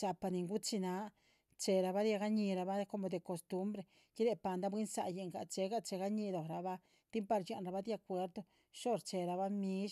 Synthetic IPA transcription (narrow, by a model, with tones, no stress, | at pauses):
t͡ʃa˧pa˧ni˧ŋɡu˦t͡ʃi˧na˧˦ | t͡ʃe˧ɾa˧βa˦ɾja˧ɡa˦ɲi˧ɾa˧ba˦ko˧mo˧˨d̪e˨ko˨st̪u˦mbɾe˧˨ | ki˦ɾe˧˨pa˧nd̪a˦bwi˦nsa̰˧ʔje˧˨ŋɡa̰˧˨t͡ʃe˧˦ɡa˦˧t͡ʃe˧ɡa˦ɲi˧lo˨ɾa˨βa˦ | t̪i˦mpa˧ɾt͡ʃa˧˨nɾa˧βa˦d̪ja˧kʷe˧ɾd̪o˧ | ʃo˦ɾt͡ʃe˧ɾa˧βa˦mĩ˦ʃ